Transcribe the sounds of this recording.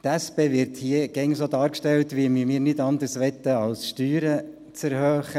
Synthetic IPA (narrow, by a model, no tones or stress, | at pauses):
t̪æspeːʋɪɾthiəɡ̥ɛŋsoːd̪ɑːɾkʃtɛltʋiəmimiːɾnɪdɑnd̪ərsʋɛt̪ːəɑlsʃtyːɾə | t͡sɛɾhøːχə